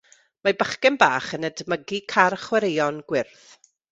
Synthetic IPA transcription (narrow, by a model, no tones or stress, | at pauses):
mabəχkɛnbaːχənədməɡikʰarχwɛɾejɔnɡ̥wɪrθ